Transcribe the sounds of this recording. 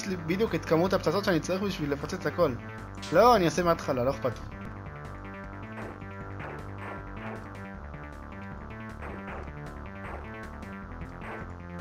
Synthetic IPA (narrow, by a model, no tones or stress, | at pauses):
slibid̪juket̪kamut̪hapt͡sat͡sott͡ʃʃeanit͡saʁiχbiʃvilːefat͡set͡sako̞l | loaniosemeat̪χalalo̞eχpat̪i